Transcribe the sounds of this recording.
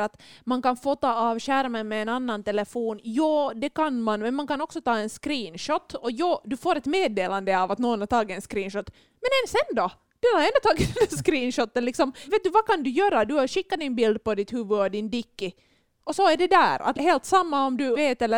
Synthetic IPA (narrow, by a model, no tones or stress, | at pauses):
at̪mankanfoːt̪ɑːɑːvɕæɾmənmɛːnanːant̪ɛlɛfoːnjɑːd̪ɛkanmanmɛnmankanɔksɔt̪ɑːɛnskɾiːnʃɔt̪ːɔjɑːd̪ʉfoːɾɛt̪meːd̪eːland̪əɑvat̪noːɔnhat̪ʰɑːɡɪɛnskɾiːnʃɔt̪ː | mɛnɛnsɛnd̪o | d̪̥ʉaɾɛnd̪ɔt̪ɑːɡɪd̪ɛnd̪æskɾiːnʃɔt̪ːənlɪksɔmveːt̪̚d̪ʉvakand̪ʉjøːɾad̪ʉɕɪkːad̪ɪnbɪld̪̚pɔd̪ɪt̪hʉvɵɔd̪ɪnd̪ɪkːɪ | ʔɔsɔæɖɛd̪æ̰ːɾa̰t̪ɦeːlt̪samːaɔmd̪ʉveːt̪ɛlːə